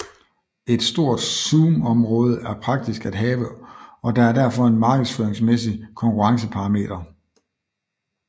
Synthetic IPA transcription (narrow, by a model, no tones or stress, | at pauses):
e̝d̥sd̥o̝ɐ̰d̥suːmɒ̽mʁɔ̽ːð̞ˠəæɐpʰʁɑ̈ɡ̥̚d̥isɡ̥æd̥ɦɛːʋəɒ̽d̥ɑ̈æɐdæɐfɒ̽e̝nmɑ̈ːɡ̥əðˠsføːɐeŋsmesikʰɒ̽ŋkʰuʁɑ̈ŋsəpʰɑ̈ɑ̈me̝̰ːd̥ɐ